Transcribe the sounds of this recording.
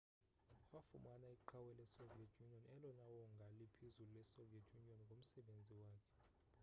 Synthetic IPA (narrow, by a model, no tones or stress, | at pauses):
wafṵmanaiǃʰawɛlɛsoviɛtʰjuniɔnɛlɔnawɔŋɡʱalipʰizululɛsoviɛtʰjuniɔnŋɡʱom̩sɛɓend͡zʱiwaːkʰɛ̥